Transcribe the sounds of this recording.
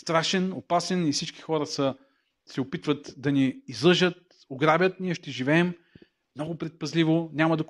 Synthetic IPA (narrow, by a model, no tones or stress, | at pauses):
st̪ɾaʃɛnopasɛnifsit͡ʃki̥xɔɾɐsə | sɛopit̪vət̪d̪ɐniːzlˠɤʒət̪̚ | oɡɾabʲjət̪niɛʃt̪ɛʒivɛːm | mnɔɡʊpɾɛt̪̚pɐzlivonʲamɐd̪ɐk